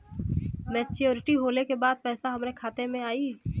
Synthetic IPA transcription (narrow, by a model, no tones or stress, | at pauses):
mɛːt͡ʃijoːɾɪʈiɦoːlekebaːd̪̚pɛːsaɦɐmnekʰaːt̪emẽaːiː